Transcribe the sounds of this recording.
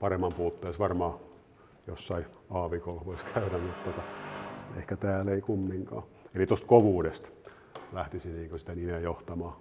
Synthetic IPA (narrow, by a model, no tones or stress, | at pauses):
pɑremːɑmpuːt̪ːeːsʋɑrmɑː | jo̰sːɑiɑːʋikolʋoiskʰæynæmmut̪t̪ot̪ɑ | ḛhkæt̪æːleikumːiŋkɑ̰ː | elit̪ost̪koʋuːdest̪ | læht̪isiniːŋkosi̥t̪ænimejoht̪ɑmɑː